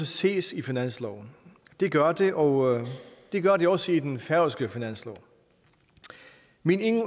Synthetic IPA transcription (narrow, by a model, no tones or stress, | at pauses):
əse̝̰ːsifinæn̰slɒ̰ʊ | d̥e̝ɡ̥ɶɐd̥e̝ʔɒ̽d̥e̝ɡ̥ɶɐɾ̥e̝ɒ̽səid̥enfæɐʊsɡ̥əfinæn̰slɒ̰ʊ | mine̝ŋ